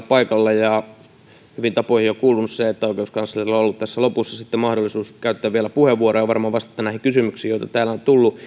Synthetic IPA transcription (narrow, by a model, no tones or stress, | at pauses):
pɑikɑlːɑjɑ | hyʋint̪ɑpoihiokuːlunusseet̪ːæoˑikeouskɑnsːɑlirilːoolːut̪t̪æsːælopusːɑsit̪ːemɑhdolːˑisuːskæyt̪ːæːʋʋieælæpuheʋʋuorojɑʋɑrmɑːʋɑst̪ɑ̥t̪ːɑnæhikysymyksiːjoit̪ɑt̪æːlæont̪ulːu